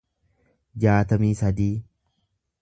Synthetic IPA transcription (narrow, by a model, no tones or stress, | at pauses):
d͡ʒaːt̪ɐmiːsɐd̪iː